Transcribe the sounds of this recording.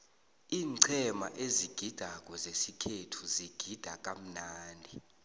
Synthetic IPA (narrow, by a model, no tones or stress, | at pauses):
iːŋǀʰɛma̰ʔeziɡ̥ʱid̥ʱak̬ʼɔzesikʰetʰuziɡ̥ʱid̥ʱak̬ʼam̩naːndʱi